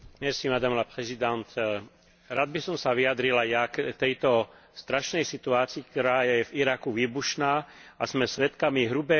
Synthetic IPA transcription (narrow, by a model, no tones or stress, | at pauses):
mɛɾsimad̪amlapɾɛzid̪ant̪ | ɾaːd̪̚bisɔmsaʋijad̪ɾilajakt̪ɛjt̪ɔ | st̪ɾaʃnɛjsit̪uaːt͡siːk̚t̪ɔɾaːjɛjɛviɾakuʋiːbuʃnaːazmɛsʋɛt̪kamiɦɾubɛ